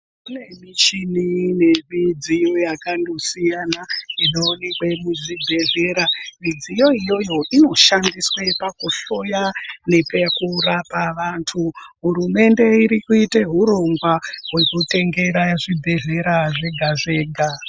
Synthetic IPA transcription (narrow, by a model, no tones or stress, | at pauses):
kune̞mit͡ʃinine̞mid͡zijojakandosijanainoːnekwe̞muʐibʱe̞ɮe̞ːɾamid͡zijo̞ijo̞jo̞ino̞ʃandiswepakuɬo̞jane̞pekurapaʋantʰuɦuɾume̞nde̞iɾikuite̞ɦuɾo̞ŋɡwaɦwe̞kute̞ŋɡe̞ɾaʐibʱe̞ɮe̞ɾaʐe̞ɡʱaʐe̞ːɡʱa